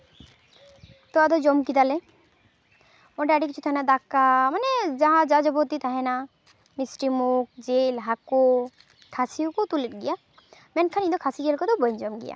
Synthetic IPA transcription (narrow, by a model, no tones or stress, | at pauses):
t̪ɔad̪ɔd͡ʒɔmkid̪alɛ | mɔʈɛaɖik̬it͡ʃʰut̪ʰaɦɛnad̪akːamanɛd͡ʒaɦãd͡ʒad͡ʒɔbɔt̪it̪ʰaɦɛna | misʈimuk̚d͡ʒelɦakɔ | kʰasiukɔt̪uliʈ̚ɡija | mɛnkʰanid̪ɔkʰasiɡelkɔd̪ɔbɔjnd͡ʒɔmɡḭja̰